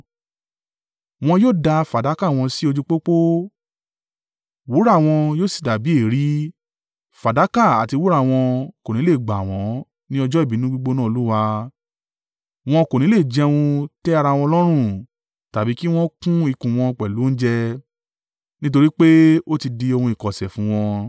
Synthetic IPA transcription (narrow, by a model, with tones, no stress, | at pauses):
w̃ɔ̃˧joː˦˨da˧fa˨da˨˦ka˦˨w̃ɔ̃˧si˦o˧d͡ʒu˦k͡po˦k͡po˦ | wu˨˦ɾa˦˨w̃ɔ̃˧joː˦˨si̥˦˨da˨bi˨˦e˦˨ɾi˨˦ | fa˨da˨˦ka˦˨a̰˨ti˧wu˦ɾa˦˨w̃ɔ̃˧ko˨nĩ˨˦le˦˨ɡ͡ba˨w̃ɔ̃˨˦ | nĩ˦ɔ˧d͡ʒɔ˦i˦˨bi˨˦nũ˦ɡ͡bu˦ɡ͡bo˧nãː˦o˧lu˦wa˧ | w̃ɔ̃˧ko˨ñĩ˨˦le˦˨d͡ʒɛ˧wũ˧tɛ˦a˧ɾa˧w̃ɔ̃˧lɔ˦ɾ̃ũ˦˨ | ta˨bi˨˦ki˦w̃ɔ̃˦kũ˦i˧kũ˨w̃ɔ̃˧k͡pɛ˨lu˨˦n̩˦d͡ʒɛ˧ | nĩ˦t̬o˧ɾi˦k͡pe˦o˦ti˧di˧o˧hũ˧i˨kɔ˨sɛ˨fũ˨˦w̃ɔ̃˧